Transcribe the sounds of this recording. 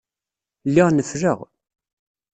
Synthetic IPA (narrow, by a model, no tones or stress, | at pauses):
lːiʁnəfɾəʁ